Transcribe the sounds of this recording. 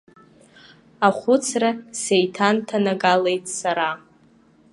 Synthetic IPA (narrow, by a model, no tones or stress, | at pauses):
aχʷʊt͡sʰrasejtʰantʰanaɡale̞jtʼsaɾa